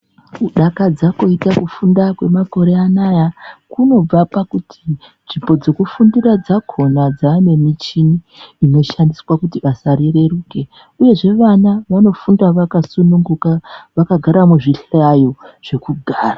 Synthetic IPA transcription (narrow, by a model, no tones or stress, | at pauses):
kuɗakad͡zakoitakufundakwe̞mako̞ɾe̞anajakuno̞b͡vapakutʰi | nʐimbo̞d͡ze̞kufundirad͡zakʰo̞nad͡zaːne̞mit͡ʃiniː | no̞ʃandiswakutiʋasaɾire̞ruːke̞ | uje̞ʐe̞ʋanaʋano̞fundaʋakasunuŋɡukaʋakaɡʱaɾamuʐiɬajo̞ʐ̥e̞kuɡʱaːra